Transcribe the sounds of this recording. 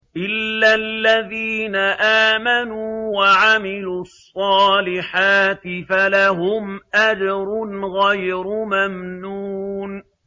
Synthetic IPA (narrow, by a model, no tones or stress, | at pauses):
ʔɪlːalːaðiːnaʔaːmanuwaʕamɪluːɑsˤːɑːlɪħaːt̪ɪfalaɦʊmʔad͡ʒɾˤʊnɣajɾʊmamnuːn